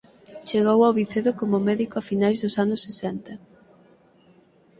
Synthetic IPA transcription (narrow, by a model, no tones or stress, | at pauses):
t͡ʃeɣ̞owawβiθeðʊkomʊmɛðikoafinajzðʊsanʊsːesɛnt̪ɐ